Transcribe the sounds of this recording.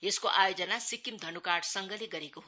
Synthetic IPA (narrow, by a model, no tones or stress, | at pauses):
eskoʔajod͡zʌnasikimd̪ʱʌnukaɽsʌŋɡʌliɡʌɾekoɦo